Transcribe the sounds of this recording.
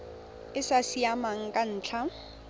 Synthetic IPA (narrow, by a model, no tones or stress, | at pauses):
ɪsasiamaŋ̩kʼan̩ːt͡ɬʰa